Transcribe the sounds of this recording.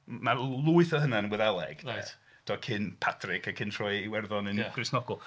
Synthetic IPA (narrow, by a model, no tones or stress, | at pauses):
malˠuɨθəɦənanwɛðɛlˠɛ̰ɡ̥t | d̥ɔkʰɪnpʰatʰrɪkʰakʰɪntʰr̥ɔjiwɛrðɔnɨnɡ̥rɪsnɔɡʊlˠ